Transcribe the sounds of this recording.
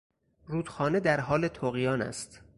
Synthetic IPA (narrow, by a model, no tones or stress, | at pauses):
ɾuːd̪̥xɒːne̞d̪æɾɦɒːlet̪ʰoːɣijɒːnæ̰st̪